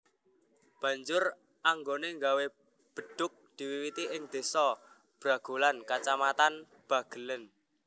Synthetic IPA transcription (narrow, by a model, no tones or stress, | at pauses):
b̥ä̤ɲd͡ʒʊr | ʔaŋɡoneŋɡawe | b̥ə̤ɖ̥ʊ̤k̚d̪̥i̤wiwit̪iʔɪŋd̪̥e̤sɔ | b̥ɾa̤ɡ̥ṳlankat͡ʃamat̪an | b̥ä̤ɡ̥ə̤lən